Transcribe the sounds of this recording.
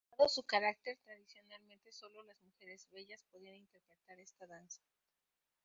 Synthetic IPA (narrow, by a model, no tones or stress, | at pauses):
aðosukaɾak̚t̪e̞ɾt̪ɾaðisjo̞nalmẽnt̪e̞so̞lolazmuxe̞ɾezβe̞ʝaspoðianint̪e̞ɾpɾet̪aɾe̞st̪aðansḁ